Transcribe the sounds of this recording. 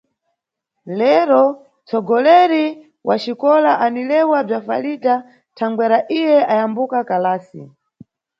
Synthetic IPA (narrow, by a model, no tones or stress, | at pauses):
lɛɾɔ | t͡sɔɡɔlɛɾi | wat͡ʃikɔlaʔanilɛwab͡ʐafa̰lita | tʰaŋɡwɛɾaʔijɛʔajambukakalaːsḭ